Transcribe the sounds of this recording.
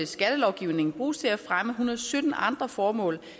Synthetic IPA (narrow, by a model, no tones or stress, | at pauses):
esɡ̥æd̥əlɒʊɡ̥iʊne̝ŋn̩b̥ʁṵːst͡sʰe̝læfʁaməɦunɐð̩ˠsød̥n̩ɑ̈nd̥ʁɐfɒːmɔ̰̽ːl